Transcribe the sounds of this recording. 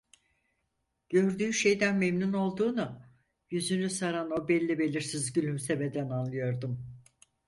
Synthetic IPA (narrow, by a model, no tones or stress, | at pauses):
ɟ̥ø̞ɾd̪yːʃe̞jd̪ænmemnuno̞lˠd̪uːna | jyzynysaɾano̞bɛlʲːibe̞lʲiɾsizɟylʲymseved̪ænanlːˠɯjo̞ɾd̪um